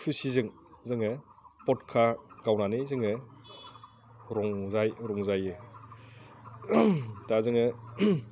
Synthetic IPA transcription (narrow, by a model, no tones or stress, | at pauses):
pʰisizɯŋ | zɯŋɯpɔtkʰaɡawnanizɯŋɯ | ɾɔŋzajɾɔŋzajɯ | tazɯŋɯ